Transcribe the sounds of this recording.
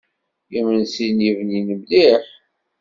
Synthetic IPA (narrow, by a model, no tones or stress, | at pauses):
imənsinjivninəmliħ